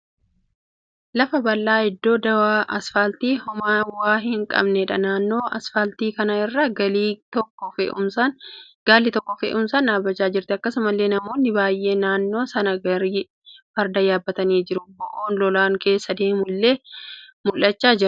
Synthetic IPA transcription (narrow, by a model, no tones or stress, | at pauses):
lɐfɐbɐlːaːɪd̪ːo̞ːd̪ɐwaːʔɐsfɐlt̪iːhʊmaːwaːɦɪŋkʼɐ̰bnɛᶑɐnaːnːo̞ːʔɐsfɐlt̪iːkɐnɐɪrːɐːɡɐlːt̪ɔkːɔfʊɐn | ɡaːlːɪt̪ɔkːɔfḛʔʊmsɐnːaːbɐt͡ʃːaːd͡ʒɪɾt̪ɪɐkːɐsʊmɐlːe̞ːnɐmo̞ːnːɪbaːjʔe̞ːnaːnːo̞ːsɐnɐɡɐɾiː | fɐɾd̪ɐjaːbːɐt̪ɐniːd͡ʒɪɾʊbɔʔoːnlɔlaːŋke̞ːsːɐd̪eːmʊlːeːmʊlːɐt͡ʃːaːd͡ʒɪɾ